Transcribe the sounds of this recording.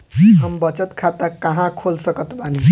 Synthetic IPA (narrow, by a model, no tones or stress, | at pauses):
ɦʌmbʌt͡sʌt̪kʰat̪akʌɦãkʰolsʌkʌt̪bʱʌni